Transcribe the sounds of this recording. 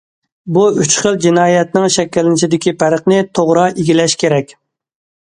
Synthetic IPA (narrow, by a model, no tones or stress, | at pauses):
buyt͡ʃχəlˠd͡ʒinɑːjɛt̪nɪŋʃɛkʲːɪlnɪt͡ʃʰid̪ɪkʲipʰæɾəχnɪt̪ʰoʁɾɑiɡʲilɛʃkʲeɾɛkʲ